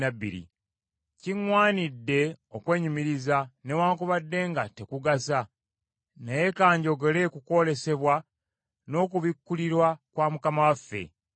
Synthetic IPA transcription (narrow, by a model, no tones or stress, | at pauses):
nabːḭɾḭ | ciŋwaːnidːe̞okwe̞ːɲumiɾizane̞waːŋkuβadːe̞ːŋɡate̞kuɡasa | naje̞kaːɲɟo̞ɡe̞le̞kuko̞le̞se̞βwa | no̞ːkuβikːuliɾwakwaːmukamawafːe̞̰